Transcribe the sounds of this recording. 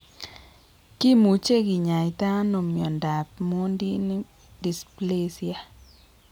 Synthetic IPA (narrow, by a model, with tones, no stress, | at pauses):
ki˦mu˨t͡ʃe˦˨ɡi˨ɲa˨i˨ta˦no˨mjɔ˨nda˨p̚mo˦ndi˦ni˦ | di˨sple˦sja˨